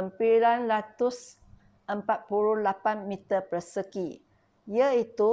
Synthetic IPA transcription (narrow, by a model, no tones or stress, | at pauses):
əmpilanlat̪ʊs | ʔəmpat̪̚puɾulapanmĩt̪əpəsəki | jəit̪u